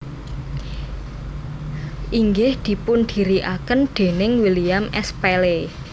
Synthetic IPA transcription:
ʔiŋɡɪhd̪̥i̤pʊnd̪̥i̤ɾiʔakənɖ̪̥e̤nɪŋwiliamʔɛspele

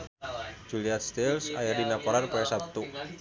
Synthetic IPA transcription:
d͡ʒuliat̪̚st̪elsa̰jadinakɔɾanpaɛsap̚t̪u

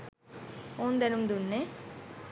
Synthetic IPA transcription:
oːnd̪enumd̪unːe

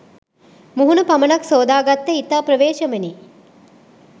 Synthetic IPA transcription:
muɦunɐpɐmɐnɐksoːd̪aːɡɐt̪ːeit̪apɾɐʋeːʃɐmeni

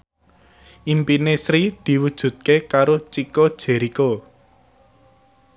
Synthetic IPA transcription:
ʔimpinesɾid̪̥i̤wud̥ʒ̥ṳt̪̚kekaɾot͡ʃikod̥ʒ̥ɛ̤ɾiko

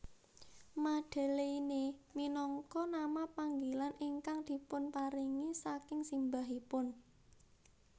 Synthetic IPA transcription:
maɖ̥a̤leineminɔŋkɔnamapaŋɡilaniŋkaŋd̪̥i̤pʊnpaɾiŋisakɪŋsimbaɦipʊn

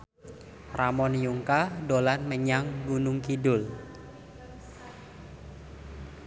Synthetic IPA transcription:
ramɔnjuŋkadolanməɲaŋɡunʊŋkidʊl

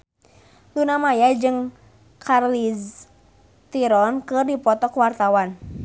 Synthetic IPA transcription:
lunamajad͡ʒɨŋ | kʰarlis | t̪iɾɔnkɨrdipɔt̪ɔkuwart̪awan

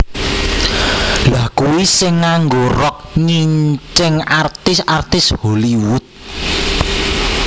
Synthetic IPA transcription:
lahkuwisɪŋːaŋɡorɔk̚ɲiɲt͡ʃɪŋart̪ɪsart̪ɪsholiwʊt̪̚

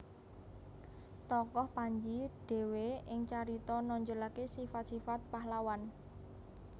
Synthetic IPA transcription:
t̪ɔkɔhpaɲd͡ʒiɖ̥e̤weɪŋt͡ʃaɾit̪ɔnɔɲd͡ʒolakesifat̪̚sifat̪̚paɦlawan

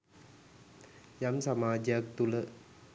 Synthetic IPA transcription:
jamsamaːd͡ʒjak̚t̪ulə

